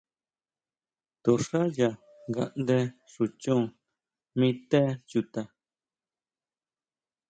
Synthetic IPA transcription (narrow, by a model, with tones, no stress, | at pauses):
t̪o˨ʂa˦ja˨ | ŋɡa̰˧ʔnd̪e˧ | ʂu˨t͡ʃũ˦˨ | mĩ˦t̪e˦ju˧t̪a˧